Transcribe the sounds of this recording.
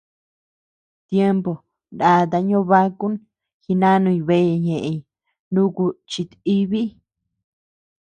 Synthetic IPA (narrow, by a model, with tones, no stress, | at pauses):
t̪je˦mbo˨ | nda˨t̪a˧ɲõ˦βa˦ku˦n | hi˧nã˦nũ˧ĩ˧βe˦˧˨ɲẽ˨ʔe˧i˧ | nũ˦ku˧t͡ʃi˧t̪i˦βi˦